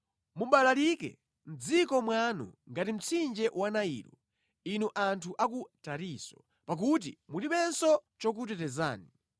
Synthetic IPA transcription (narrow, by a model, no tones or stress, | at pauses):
mumɓalalikɛ̰ | m̩d͡zikɔmwanṵŋɡatim̩t͡sʰind͡ʒɛʔwanaḭːɾɔ | inuʔantʰuʔakutaɾiːsɔ̥ | pak̬ut̬ḭmulipɛnsɔt͡ʃɔk̬ut̬ɛtɛza̰ːni